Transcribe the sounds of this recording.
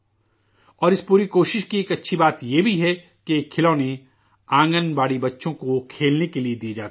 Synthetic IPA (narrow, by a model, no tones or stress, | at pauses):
ɔːɾɪspuːɾikoːʃɪʃkieːkɐtːʃʰibaːt̪jebʱiɦɛ | keːkʰːɪlaːne | ãːŋɡənbaːɽibɐtːʃõkokʰeːlnekelied̪ied͡ʒaːt̪ː